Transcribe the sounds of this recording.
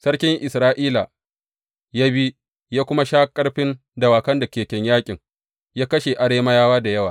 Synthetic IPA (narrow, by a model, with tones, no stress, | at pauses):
sɐ˦ɽkʲɪ˦ŋʔɪ˨sɾaː˦ʔiː˦la˨ | jaː˦bi˦ | jaː˦kʷʊ˦ma˦ʃaː˦kʼɐ˦ɽɸɪ˦n | da˨waː˨kɐ˦nda˨kʲeː˨kʲɛ˨ɲjaː˦kʲʼɪ˨ŋ | jaː˦kɐ˦ʃe˨ʔa˨ɽeː˦ma˦jaː˦waː˦da˨jɐ˦waː˨